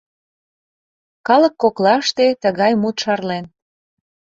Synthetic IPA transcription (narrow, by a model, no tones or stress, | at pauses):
kɑlə̆kːoklɑʃt̪et̪əɣɑjmut̪ʃɑrlen